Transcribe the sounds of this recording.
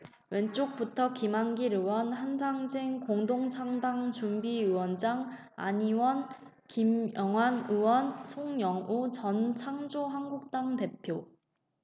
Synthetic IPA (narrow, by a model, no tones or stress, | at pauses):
we̞nt͡ɕ͈ok̚p͈utʰʌkimaŋɡiɾɯwʌnhansʰaŋd͡ʑeŋkoŋdoŋt͡ɕʰaŋdaŋt͡ɕumbiɯwʌnd͡ʑaŋ | a̰ɲiwʌn | kimjʌŋwanɯwʌnsʰoŋɲʌŋut͡ɕʌnt͡ɕʰaŋd͡ʑoɦanɡuk̚t͈aŋte̞pʰjo